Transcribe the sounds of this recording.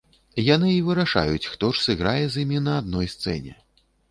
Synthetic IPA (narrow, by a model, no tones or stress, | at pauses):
janɨivɨɾaʂa̰jut͡sʲxt̪ɔʂsɨɣɾajɛzjimʲinɐːd̪̚nɔjst̪sɛ̰nʲɛ̰